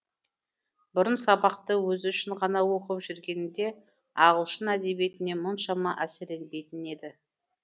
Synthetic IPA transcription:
bʊɾənsɑbɑqt̪əwɵzʏʃɪɴʁɑnɑwo̞qəpʒʏɾɡʲe̞nɪnd̪e̞ | ɑʁəlˠʃənæd̪e̞bije̞t̪ɪne̞mʊnʃɑmɑʔæseɾe̞nbe̞jt̪ɪne̞d̪ɪ

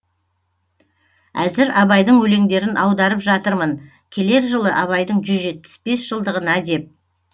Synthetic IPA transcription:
æzɪɾɑbɑjd̪əɴwɵle̞ŋd̪e̞ɾɪnʔɑwd̪ɑɾəpʒɑt̪əɾmən | kʲʰe̞le̞ɾʒəlˠəʔɑβɑjd̪əɴʒʏzʒe̞t̪̚pɪ̥sbe̞sʒ̥əlˠd̪əʁənɑd̪e̞p̚

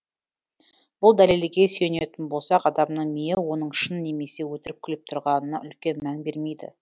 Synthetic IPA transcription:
b̥ʊlˠd̪ælelɡʲe̞sɵjene̞t̪ɪnbo̞lˠsɑqɑd̪ɑmnəɴmijewo̞nəɴʃənːe̞me̞se̞wɵt̪ɪɾɪp̚kʲʰɪlɪp̚t̪ʰʊɾʁɑnənɑʔʏlkʲe̞nmænbe̞ɾme̞jd̪ɪ̰

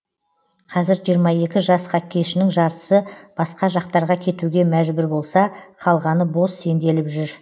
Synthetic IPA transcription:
qʰɑzɪɾʒijəɾmɑje̞kʲɪʒɑsqʰɑkʲʰːe̞ʃɪnɪŋʒɑɾt̪ə̥səb̥ɑsqɑʒɑq̚t̪ɑɾʁɑkʲʰe̞t̪uɡʲe̞mæʒbʏɾbo̞lˠsɑqʰɑlˠʁɑnəbo̞sːe̞nd̪e̞lɪpʒʏɾ

